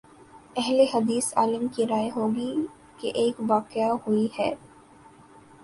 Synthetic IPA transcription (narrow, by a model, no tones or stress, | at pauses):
ɛɦleɦɐd̪iːsa̰ːləmkiɾaːeɦoːɡi | keʔeːkʋaːqɪjahʊihɛː